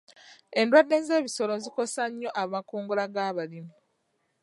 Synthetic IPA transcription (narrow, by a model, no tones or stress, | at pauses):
e̞ndwadːe̞ːnze̞ːβiso̞lonziko̞saɲːo̞ʔamakuːŋɡulaɡaːβalimu